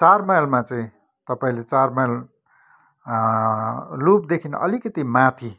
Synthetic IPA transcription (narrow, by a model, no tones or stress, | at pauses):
t͡sarmajlmat͡saĩ | t̪ʌpaĩlet͡sarmajl | lup̚d̪ekʰinʌ̰likʌt̪imat̪ʰi